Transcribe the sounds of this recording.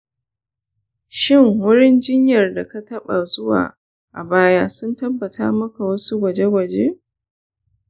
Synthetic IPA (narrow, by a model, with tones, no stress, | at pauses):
ʃɪ˦˨ŋwʊ˦ɽɪ˦nd͡ʒɪ˦ɲjɐ˨rda˨ka˦tɐ˦ɓa˨zʊ˦wa̰ː˨ | ʔa˨baː˦jaː˦sʊ˦ntɐ˦bːɐ˨ta̰ː˦mɐ˦ka˨wɐ˦su˦ɡʷɐ˨d͡ʒe˦ɡʷɐ˨d͡ʒḛ˦